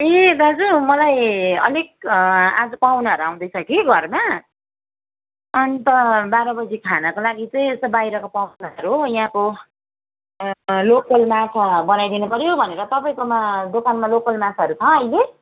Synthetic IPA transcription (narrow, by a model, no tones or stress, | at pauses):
ed̪ad͡zumʌlajʌ̰lek̚ad͡zʌpawnaɦʌɾuaw̃d̪ʌjt͡sʰʌkiɡʱʌrma | ʌnit̪ʌbaɾʌbʌd͡zikʰanakolaɡit͡sʌĩest̪ʌbajɾʌkopanaʌɾuɦojɦãko | lokʌlmat͡sʰabʌnajd̪inupʌɾjobʱʌneɾʌt̪ʌpaĩkomad̪okanmalokʌlmat͡sʰaʌɾut͡sʰʌʌjle